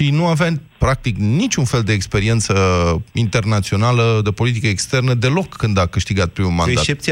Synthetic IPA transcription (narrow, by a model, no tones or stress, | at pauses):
ʃinuavea | pɾak̚t̪iknit͡ʃʲunfe̞ld̪e̞ːkspe̞ɾie̞nt̪səint̪e̞rnat̪sio̞naləd̪e̞po̞lit̪̬ikəekst̪e̞rnəd̪e̞lo̞kːɨnd̪akɨʃt̪iɡat̪̚pɾimulmaneat̪t͡ʃep̚t̪si